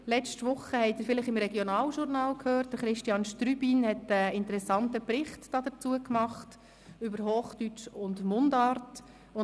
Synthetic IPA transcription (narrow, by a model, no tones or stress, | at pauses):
lɛt͡ʃtʋʊχːəhɛɪtɪːɾfɪləχɪmɾɛɡjɔnɑːlʃʊrnɑːlkʰhøːɾt̚d̥əɾχɾɪʃtjɑnʃtɾybinhɛtəɪntəɾɛsɑntəpɾɪχtd̥ɑːdət͡suəkmɑχt | ʏbəɾɦoːχtyt͡ʃʊndmʊndɑːɾt | ʊ